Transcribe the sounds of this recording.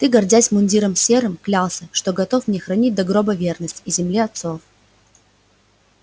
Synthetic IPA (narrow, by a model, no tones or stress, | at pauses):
t̪ɨɡɐrdʲæsʲmʊnʲdʲiɾəmsʲeɾɨmklʲalˠsʲəʂt̪o̞ɡɐt̪ofmnʲexɾɐnʲit̚ʲd̪ɐɡɾo̞bəvʲernəsʲtʲizʲɪmlʲiɐt̪so̞f